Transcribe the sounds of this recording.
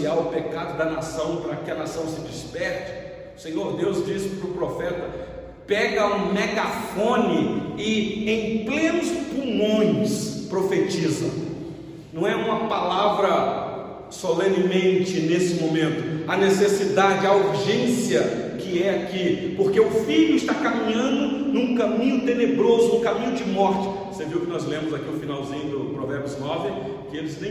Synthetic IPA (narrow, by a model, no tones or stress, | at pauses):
iawʊpekad̪ʊd̪ɐnasɐ̃w̃pɾɐkɪɐnasɐ̃w̃sɪd͡ʒispɛɾt͡ʃɪ̥ | ʊsẽɲoɾd̪ewzd͡ʒisɪpɾʊpɾofɛt̪ɐ | pɛɡɐũmeɡafõnɪɪẽj̃plẽnʊspumõj̃spɾofet͡ʃizɐ̰̃ | nɐ̃w̃ɛũmɐpalavɾɐ | solẽnɪmẽnt͡ʃɪnesɪmõmẽnt̪ʊɐnesesid̪ad͡ʒɪauɾʒẽsiɐkɪɛakipoɾkeʊfiʎʊɪst̪akamĩɲɐ̃nd̪ʊnũkɐ̃mĩɲʊt̪enebɾozʊnũkamĩɲʊd͡ʒɪmɔɾt͡ʃɪ̥ | seviwʊkɪnɔzlẽmʊzakiʊfinawzĩɲʊd̪ʊpɾovɛɾbjʊznɔvɪ | kɪelɪznẽ